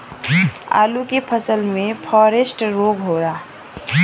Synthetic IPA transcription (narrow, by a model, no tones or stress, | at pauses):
a̰ːlukepʰəsəlmẽpʰɔːɾesʈɾoːɡɦoɾaː